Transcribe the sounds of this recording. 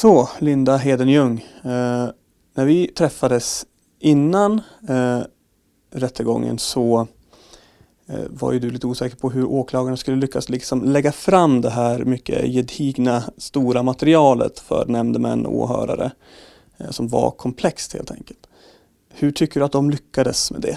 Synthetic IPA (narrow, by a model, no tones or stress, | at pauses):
sɔlɪnd̪aɦeːd̪ənjɵŋː | næɾvɪt̪ʰɾɛfːad̪əs | ʔɪnːan | ɾɛt̪ːəɡɔ̰ŋːə̰nsɔ | va̰ɾjɵd̪ɵliːt̪əuːsɛːkəɾpʰɔɦɵɾʔoːkʰlɑːɡaɳaskɵlːəlʏkːaslɪksɔmlɛɡːafɾamːd̪ɛɦæːɾmʏkːə̰jɛd̪ʰiːɡnast̪uːɾamat̪ɛɾɪɑːlə̰t̪fœ̰ɾnɛmd̪əmɛ̰nːɔ̰ːɦœ̰ːɾa̰ɾə̰ | sɔmva̰kʰɔmpʰlɛkst̪hḛːlt̪ʰɛ̰ŋkəlt̪ | hɵʈʰʏkːəɖɵat̪̚d̪ɔmlʏkːad̪əsmɛ̰d̪ɛ̰